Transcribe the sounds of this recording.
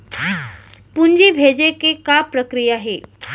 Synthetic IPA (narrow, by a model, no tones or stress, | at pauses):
pund͡ʑiːbʱed͡ʑekekapɾəkɾijaɦe